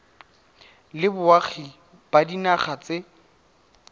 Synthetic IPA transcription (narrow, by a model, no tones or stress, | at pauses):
lɪbʊaχʰi | badinaχat͡sɪ